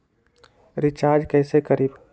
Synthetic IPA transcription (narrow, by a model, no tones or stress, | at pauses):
ɾɪt͡ʃaːɾd͡ʒkɛːsekəɾiːb